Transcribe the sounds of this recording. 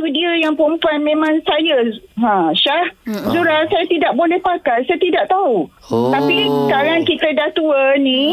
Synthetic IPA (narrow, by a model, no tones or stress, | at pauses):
t̪udiəjaŋpumpanmẽmãŋsajaɦãʃahzuɾasajat̪idaʔ̚bolɛhpakajsajat̪idaʔt̪au | t̪apiskaɾaŋkit̪ədat̪uənĩ